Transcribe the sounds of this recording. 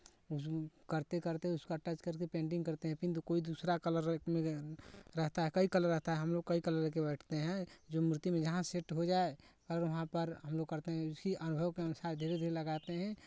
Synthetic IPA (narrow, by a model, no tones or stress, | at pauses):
ʊskəɾt̪ekəɾt̪eɦɛ̃ʊskaʈəd͡ʒkəɾkepẽːɳɖɪ̃ŋɡkəɾt̪eɦɛ̃pĩnt̪̬ukoid̪usɾakələɾmẽɾəɦt̪aɦɛkəikələɾːəɦt̪aɦɛɦɐmloːɡ̚kəikələɾkebɛʈʰt̪eɦɛ̃d͡ʒomɾɪt̪imẽd͡ʒɐɦãseʈɦod͡ʒaːekələɾʋɐɦãpəɾɦəmloɡ̚kəɾt̪eɦɛ̃ʊskiʔənʊbʱəʋkeənʊsaːɾd̪ʱeɾed̪ʱeɾeləɡat̪eɦɛ̃